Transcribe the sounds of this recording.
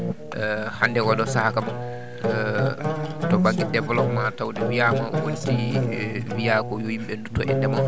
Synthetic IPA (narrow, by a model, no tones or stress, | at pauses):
handɛwaɗɔsahakama | tɔbaɡɛdɛvɛlɔpmatawdɛwijamawoniti | wijakɔjojimɓɛndutːɔʔɛndɛma